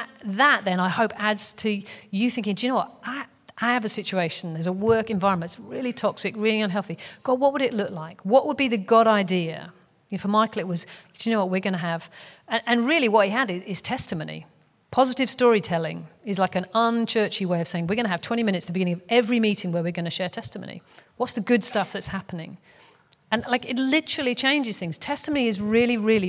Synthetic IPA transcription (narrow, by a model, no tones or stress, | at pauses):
ðəʔ̪̚ðɨ̃naɪhoʊpædz̥tʰɨjɨθɪ̃ŋkɪ̃ŋd͡ʒɨñoʊwʌaɪ | ʔaɪɨvɨsɪt͡ʃʉeɪʃn̩ðə˞zəwɜ˞kɨ̃ɱvaɪɹə̃nmə̃ɨ̃tsɹɪlˠitʰɔksɨkɹɪlˠiʌ̃nɦɛlˠθiɡ̥ɔwʌʔ̚wəɾɨʔˡlʊklaɪkwʌʔwəd̚biðɨɡɑɾaɪdiɨ̰ | jɨfəmaɪklɨʔ̚wʌzd̥ɨnoʊwʌt̚wɪɡʌnəːv̥ɨ̃nʔɨ̃nɹɪlˠiwʌt̚hiɨɾɪzɪz̥tʰɛstɨmoʊnḭ | pʰɑzɨɾɨv̥stɔɹitʰɛlˠɪ̰̃ŋɨzlaɪkɨ̃nʌ̃nt͡ʃʰɜ˞t͡ʃiweɪʌv̥seɪɪ̃ŋwɨɹɡʌñɨɨv̥tʰw̥ɛ̃ɾ̃imɪ̃ñɨtsðəbɪɡɪ̃ɪ̃ŋʌvɛvɹimiɾɪ̃ŋwə˞wɨɹɡʌnɨʃɛɹtʰɛstəm̰ʊ̃nḭwʌtsðɨɡʊd̥stʌfðɨtshæpənɪ̰̃ŋ | ɨ̃nlaɪkɪtˡlɪɾə˞l̩ˠit͡ʃʰẽɪ̃nd͡ʒɨz̥θɪ̃ŋz̥tʰɛstəmõʊ̃niɨzɹɪlˠiɹɪlˠi